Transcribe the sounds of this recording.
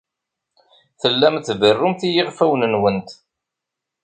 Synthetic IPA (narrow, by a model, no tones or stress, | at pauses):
θəlːæmθvərːʊmθijɪʁfæwnənwənt̪